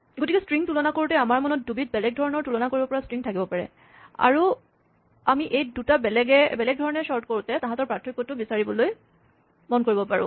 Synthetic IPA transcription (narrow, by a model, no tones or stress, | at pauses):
ɡotikɛstɹiŋtulɔnakoɹutɛamaɹmɔnɔt̚dubit̚bɛlɛɡ̚dʱɔɹɔnɔɹtulɔnakoɹibɔpɔɹastɹiŋtʰakibɔpaɹɛ̰ | a̰ɹu | amiʔejdutabɛlɛɡɛbɛlɛɡ̚dʱɔɹɔnɛsɔɹt̚koɹutɛtãɦãtɔɹpɹatʰmikːɔtʊbisaɹibɔloj | mɔnkoɹibɔpaɹʊ̰̃